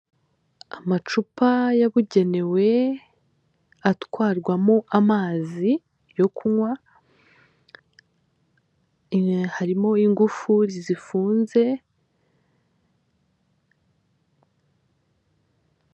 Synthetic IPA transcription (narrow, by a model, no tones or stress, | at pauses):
amat͡ʃupajaβuɟe̞ne̞we̞ | atwaːɾɡwamuʔamaːzi | jo̞kuŋwa | haɾimo̞iŋɡufuɾizifuːnze̞